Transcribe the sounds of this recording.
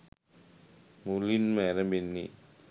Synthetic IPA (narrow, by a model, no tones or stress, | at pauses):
mulinmɛɾambinːḭ